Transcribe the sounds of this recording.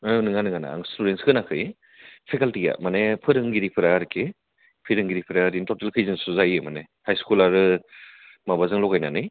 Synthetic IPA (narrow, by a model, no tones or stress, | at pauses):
ɯnɯŋanɯŋana̰a̰ŋstuɾenskʰɯnakʰɯj | pʰekaltiɡa̰manepʰɯɾɯŋɡiɾipʰɯɾaɾkʰe | pʰiɾɯŋɡiɾipʰɯɾaɾintɔtelkʰɯjzɯnsuzajɯmane | hajskulaɾɯ | mabazɯŋlɔɡajnanɯj